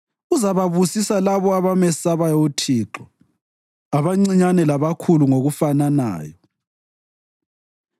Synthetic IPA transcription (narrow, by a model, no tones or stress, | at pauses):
uzaβaβusisalaβɔaβamɛsaβajotʰiːǁɔ | aβaŋ͡ǀiɲanɛlaβakʰuluŋoɣufanana̰ːjɔ